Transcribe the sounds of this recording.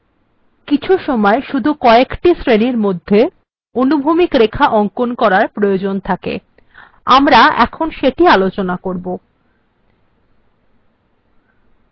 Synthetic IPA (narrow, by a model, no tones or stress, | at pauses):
kit͡ɕʰuʃɔmɔeʃud̪ʱukɔekʈisɾeniɾmod̪ʱːe | onubʱumikɾekʰaʔɔŋkonkɔɾaɾpɾojod͡ʑont̪ʰakḛ | amɾaɛ̰kʰonʃeʈialot͡ɕonakoɾbo